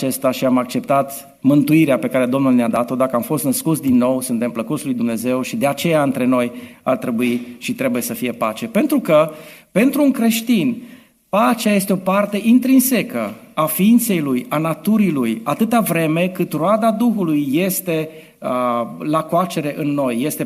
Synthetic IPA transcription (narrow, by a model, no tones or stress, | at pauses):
t͡ʃe̞st̪aʃiamak̚t͡ʃe̞p̚t̪at̪ | mɨnt̪uiɾeape̞kaɾe̞d̪o̞mnulnead̪at̪o̞d̪akəamfo̞st̪nəskut̪sʲd̪inːo̞wsunt̪e̞mpləkut̪slujd̪umne̞ze̞wʃid̪e̞at͡ʃe̞jaɨnt̪ɾe̞no̞jart̪ɾe̞buiʃit̪ɾe̞buje̞səfije̞pat͡ʃe̞pe̞nt̪ɾukəpe̞nt̪ɾuːŋkɾe̞ʃt̪in | pat͡ʃaje̞st̪eo̞part̪e̞ʔint̪ɾinse̞kə | afiint̪se̞jlujanat̪uɾilujat̪ɨt̪avɾe̞me̞kɨt̪road̪ad̪uxulujːe̞st̪e̞ | lakoat͡ʃe̞ɾe̞ʔɨnːo̞jːe̞st̪e